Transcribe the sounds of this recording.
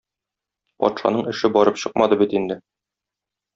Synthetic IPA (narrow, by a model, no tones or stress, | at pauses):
pɒ̰t̪ʃɑ̰nɤɴɘ̆ʃɘbɒɾɤpɕɤq̚mɑd̪ɤbit̪ind̪ɘ